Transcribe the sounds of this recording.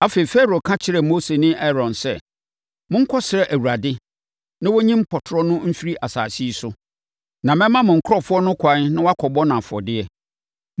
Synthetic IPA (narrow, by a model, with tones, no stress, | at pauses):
a˦fe˨i˨fɛ˦ɾo˨kʰã˦t͡ɕʰɪ˦ɾɛ˨mo˦se˨nɪ̃˦ʔɛ˦ɾɔ̃˨nsɛ˦˨ | mʊ̃˦ŋ̩˦kʰɔ˦sɪ˨ɾɛ˦ʔæ˨wu˨ɾa˨dɪ˦ | nã˦wɔ˦ɲĩ˦m̩˦pʰɔ˨tʰʊ˨ɾɔ˦nʊ̃˦m̩˦fi˦ɾi˦ʔa˨sa̰ː˨si˦sʊ˦ | nã˨mɛ̃˦mã˦mʊ̃˨ŋ̩˨kʰɔ˦fʊ˦ɔ˦nʊ̃˦kʰa˨˦n˦nã˦wa˦kʰɔ˨bɔ˦nã˨fʊ˨ɔ̰˨dɪ˦ɛ˨